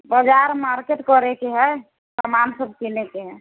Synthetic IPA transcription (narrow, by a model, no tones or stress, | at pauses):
bəd͡ʒaɾmaɾkeʈkɔɾɛkeɦɛ | səmansəb̚ʱkinekeɦɛ